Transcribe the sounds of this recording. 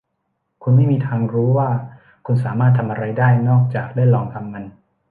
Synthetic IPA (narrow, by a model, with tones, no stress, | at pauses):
kʰu˧nma˥˩jmiː˧t̪ʰaː˧ŋɾuː˦˥waː˥˩ | kʰu˧nsaː˩˦maː˥˩t̪ʰːa˧mʔa˧ɾa˧jdaː˥˩jnɔː˥˩k̚t͡ɕaː˨˩k̚daː˥˩jlɔː˧ŋt̪ʰa˧mːa˧n